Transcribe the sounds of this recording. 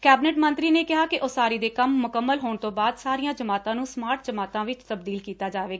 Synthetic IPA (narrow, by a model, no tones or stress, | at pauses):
kɛːbɪnɛːʈmənt̪ɾiːneːkɪɦaːkɪʔoːsaːɾiːd̪eːkəmːʊkəmːəlɦoːɳt̪õːbaːd̪saːɾijãːd͡ʒəmaːt̪ãːnũːsmaːɾʈ̚d͡ʒəmaːt̪ãːʋɪt͡ʃt̪əbd̪iːlkiːt̪aːd͡ʒaːʋeːɡaː